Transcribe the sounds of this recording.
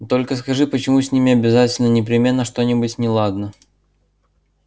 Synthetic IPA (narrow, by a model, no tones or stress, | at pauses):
t̪o̞lʲkəskɐʐɨpət͡ɕɪmusʲnʲimʲɪɐbʲɪzatʲɪlʲnənʲɪpɾʲɪmʲe̞nːəʂt̪o̞nʲɪbʊtʲnʲɪlˠad̪nə